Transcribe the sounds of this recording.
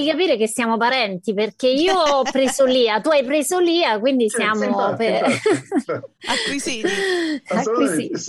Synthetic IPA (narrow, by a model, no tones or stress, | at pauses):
ikapiːɾek̟esːjaːmopaɾɛnt̪iperk̟eiːoɔpːɾeːzoliːat̪uajpɾeːzoliːakwind̪isjaːmope | awii | ki